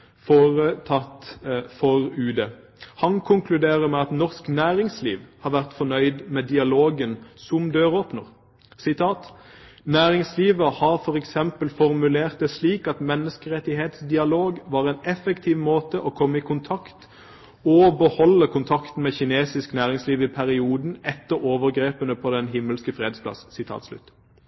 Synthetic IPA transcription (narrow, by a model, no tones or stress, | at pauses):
foːʁət̪ʰɑt̪fɔʁʉːd̪ə | hɑnkʰʊŋkʰlʉd̪eːʁəmɛɑt̪nɔʁsknæːɾɪŋsliːʋhɑːʁʋæʁt̪fɔnœʏd̪mɛd̪ɪɑloːɡənsʊmd̪øːʁoːpnəʁ | sɪt̪ʰɑːt̪næːʁɪŋsliːʋəɾhɑʁfɔʁɛksɛmpəlfɔʁmʉleːʁt̪̚d̪ɛsliːkɑt̪mɛnːəskəʁɛt̪ːɪheːt̪sd̪ɪɑloːɡʋɑːʁɛnɛfəkt̪ʰiːʋmoːt̪əʔɔkʰɔmːəɪkʰʊnt̪ʰɑkt̪ | ɔbəhɔlːəkʰʊnt̪ʰɑkt̪n̩mɛçɪneːsɪsknæːʁɪŋsliːʋɪpʰæʁɪuːd̪n̩ɛt̪ːəɾoːʋəʁɡʁeːpənəpʰɔd̪ɛnɦɪmːəlskəfʁeːd̪spʰlɑ̰ssɪt̪ʰɑ̰ːt̪slʉ̰t̪ː